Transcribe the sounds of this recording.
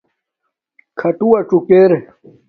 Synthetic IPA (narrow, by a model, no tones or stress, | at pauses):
kʰɐʈuwɐʈ͡ʂukeɾe